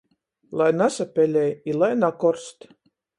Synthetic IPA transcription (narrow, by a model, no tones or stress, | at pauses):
lˠajnasapʲɛlʲɛjilˠajnakɔɾst̪